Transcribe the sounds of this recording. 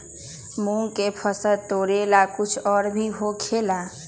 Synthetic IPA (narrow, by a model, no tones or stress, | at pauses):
mũŋkepʰəsət̪oɾelakut͡ʃʰɔɾbʱiɦokʰela